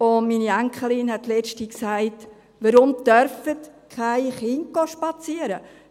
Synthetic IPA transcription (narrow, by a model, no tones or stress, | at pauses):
ʊnmiːniæŋkχəlɪnhɛt̚lɛt͡ʃtiksaɪt | ʋəɾʊmdœɾfətkʰaɪχɪnk̚ɡ̥oʃpɑt͡siəɾə